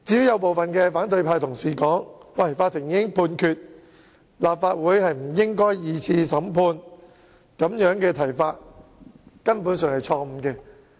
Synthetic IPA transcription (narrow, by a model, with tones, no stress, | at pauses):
t͡siː˨˥jɐ˨˧wp̬o˨wfɐ˨nkɛː˧faː˨˥nt̪ɵ˧ɥpʰaː˧jt̪ʰʊ˨˩ŋsiː˨˩kɔː˨˥ŋwɐ˨˩jfaː˧t̪ʰːɪ˨˩ŋjɪ˥ŋpʰuː˧nkʰyː˨˧t̚ | laː˨p̚faː˧t̚wuː˨˥jhɐ˨jm̩˨˩jɪ˥ŋkɔː˥jjiː˨˧t͡sʰiː˧sɐ˨˥mpʰuː˧n | kɐ˨˥mjœː˨˥ŋkɛː˧t̪ʰɐ˨˩jfaː˧t̚ | kɐ˥npuː˨˥nsœː˨˧ŋhɐ˨jt͡ʃʰɔː˧m̩˨˧kɛː˧